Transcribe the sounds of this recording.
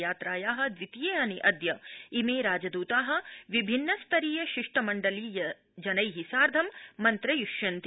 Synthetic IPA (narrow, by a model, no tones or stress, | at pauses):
jaːt̪ɾaːjaːɦɐ̆d̪ʋit̪ijeːɐniʔɐd̪jɐimeːɾaːd͡ʒɐd̪uːt̪aːɦɐ̆ʋibʱinːɐst̪ʰɐɾiːjɐʃiʂʈɐmɐɳɖɐliːjɐ | d͡ʒɐnɐjɦisaːɾd̪ʱɐmːɐnt̪ɾɐjuʃjɐnt̪i